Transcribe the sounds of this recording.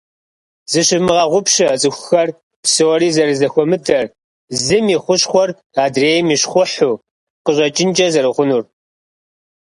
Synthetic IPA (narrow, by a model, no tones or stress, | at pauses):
z̥ɨɕɪmɨʁɐʁʷʊpɕɐt͡sʼɨxʷxɐr | psɨwɔɾiːzɐɾɨzɐxʷɔmɨtʰɐr | zɨmiχʷʊɕχʷɔr | aːdreːjmiːɕχʷʊħuː | qəɕʼɐt͡ʃʼɪnt͡ʃʼɐzɐɾɨʁʷʊnuːr